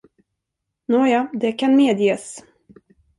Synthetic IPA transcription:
noːjɑːd̪ɛkʰanmeːd̪jeːs

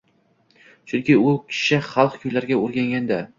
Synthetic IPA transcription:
t͡ʃʰʊŋkʲɪʊkʲʰɪ̥ʃɪχɑlˠqkʰʊjlaɾɡʲaoɾɡʲaŋɡʲand̪a

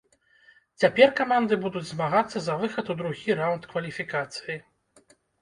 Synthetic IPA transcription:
t͡sʲapʲɛrkamand̪ɨbud̪ud͡zʲzmaɣat̪sːɐzɐvɨxɐt̪ud̪ɾuɣʲiɾawnt̪kvɐlʲifʲikat̪sɨji

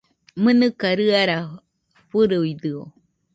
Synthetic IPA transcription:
mɨnɨkaɾɨaɾa | ɸɨɾɨid̪ɨo

